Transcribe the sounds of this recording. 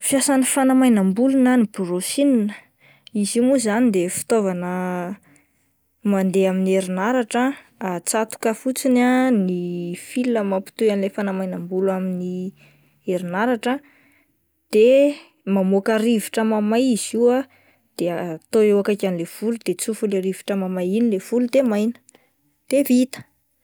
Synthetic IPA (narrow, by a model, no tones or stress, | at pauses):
fijasanifanamajnambulunəniburosininə̥ | izimuzanid̪efi̥t̪ovanə | mand̪eaminieɾinaɾaʈ͡ʂə | at͡sat̪u̥kəfut͡sinanifilːəmapi̥t̪uanilefanamajnambulamini | eɾinaɾaʈ͡ʂə | d̪̥e | mamokaɾiviʈ͡ʂəmamajiz̥iwa | d̪̥eaat̪oewakakʲanilev̥ulud̪̥et͡sufulaɾivi̥ʈ͡ʂəmamajinilev̥ulud̪emajnə̥ | d̪̥evit̪ə̥